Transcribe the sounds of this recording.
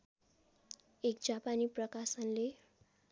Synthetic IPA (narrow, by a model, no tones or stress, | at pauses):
ek̚d͡zapaniprʌkasʌnle